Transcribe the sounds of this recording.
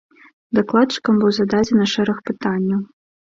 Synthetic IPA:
d̪aklˠat̪̚t͡ʂɨ̥kɐmbɨwzad̪ad͡zʲɛnɐʂɛɾɐxpɨt̪anʲːɐw

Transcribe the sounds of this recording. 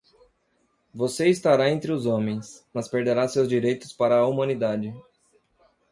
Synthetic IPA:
voseist̪aɾaẽnt̪ɾɪʊzõmẽj̃smɐspeɾd̪eɾasewzd͡ʒiɾejt̪ʊspaɾɐːumɐ̃nid̪ad͡ʒɪ

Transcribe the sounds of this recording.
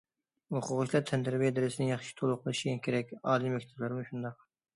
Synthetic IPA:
hoqʰʊʁʊʃlˠɑɾt̪ʰɛnd̪ɾɪbijɛd̪ɪɾɪsɪnɪŋjɑχʃi̥t̪ʰolˠʊqʰlˠɨʃiɡʲɛnkʲʰeɾɛkʲɑːlˠijmɛkʲt̪ʰɛblɪɾɪmuʃund̪ɑq̚

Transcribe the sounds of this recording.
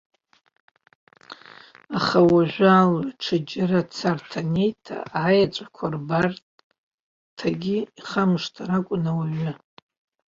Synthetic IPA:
aχawaʒʷᶣaːlaʈ͡ʂʰɨd͡ʒɪrat͡sʰartʰane̞jtʰa̰aːjat͡ʃʷʼḁkʷʰarbartʼ | tʰaɡʲiiχamʂtʰaɾakʷʼʊnawaɥʊ

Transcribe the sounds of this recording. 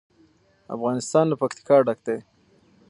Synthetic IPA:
a̰fɣɑnɪst̪ɑnlapakt̪ɪ̥kɑɖak̚d̪e

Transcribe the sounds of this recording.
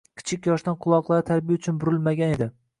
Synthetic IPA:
kʲʰɪ̥t͡ʃʰɪkʲjɒʃt̪anqʰʊlˠɒqlˠaɾɪt̪ʰaɾbijaʊt͡ʃʰʊnbʊɾɪlmaɡʲane̞d̪ɪ

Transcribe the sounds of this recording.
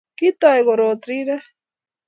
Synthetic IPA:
kit̪aeɣoɾot̪ɾiɾa

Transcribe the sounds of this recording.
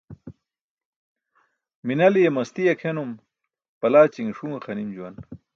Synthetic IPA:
minɐlijemɐst̪ijɐkʰenum | pɐlaːt͡ɕiŋʂuŋxɐnimd͡ʑuwɐn

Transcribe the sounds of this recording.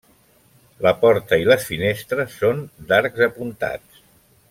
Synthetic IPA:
ləpɔɾt̪əiləsfinest̪ɾəsːond̪aɾkzəpunt̪a̰t͡s

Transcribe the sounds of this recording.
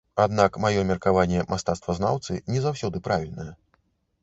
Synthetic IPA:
ad̪nakmajɔmʲɛrkavanʲːɛmʔast̪at̪st̪vɐzna̰wt̪sɨnʲɛzawsʲɔd̪ɨpɾavʲilʲnɐjɛ

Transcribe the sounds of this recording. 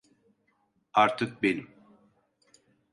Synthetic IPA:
aɾt̪ʰɯk̚benim

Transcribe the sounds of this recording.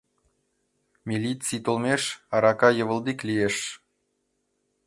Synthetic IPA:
mʲilʲit͡sijt̪olˠmʲeʃɑɾɑkɑjɤ̆βə̆lˠd̪iklʲijeʃ

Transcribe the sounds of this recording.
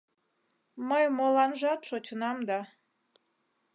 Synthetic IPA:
məjmolɑnʒɑt̪ʃot͡ɕənɑmd̪ɑ

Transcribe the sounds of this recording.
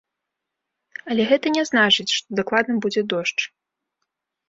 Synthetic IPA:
ɐlʲɛɣɛt̪ɐnʲɛznat͡ʂɨt͡sʲʂt̪ɔd̪aklˠad̪nɐbud͡zʲɛd̪ɔʂt͡ʂ

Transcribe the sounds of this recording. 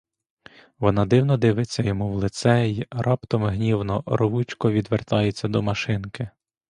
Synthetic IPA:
ʋɔnɑd̪ɪwnɔd̪ɪʋɪt͡sʲːɐjɔmuwlˠɪt̪sɛirʔɑpt̪ɔmɦnʲiwnɔɾɔʋut͡ʃkɔʋʲid̪ʋert̪ɑjet͡sʲːɐd̪ɔmɐʃɪnkɪ

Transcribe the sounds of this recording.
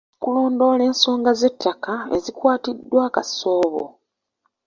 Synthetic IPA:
kulo̞ːndo̞le̞ːnso̞ːŋɡaze̞tːakaḛzikwaːtidːwaːkaso̞ːβo̰

